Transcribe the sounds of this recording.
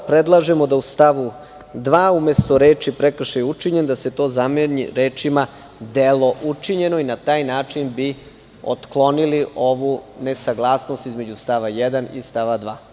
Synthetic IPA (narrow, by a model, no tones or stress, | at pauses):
pɾed̪lˠaʒe̞mo̞d̪aust̪aʋu | d̪ʋaːumest̪o̞ɾe̞ːt͡ʃipɾekr̩ʃajɛut͡ʂiɲend̪ase̞t̪o̞ːzameɲḭɾeːt͡ʃima | d̪elo̞ʔut͡ʂiɲe̞no̞inat̪aːjnaːt͡ʂinbi | o̰t̪klˠo̞niliʔo̞ʋune̞saɡlˠaːsnost̪izme̞d͡ʑust̪aʋajɛd̪anḭst̪aʋad̪ʋaː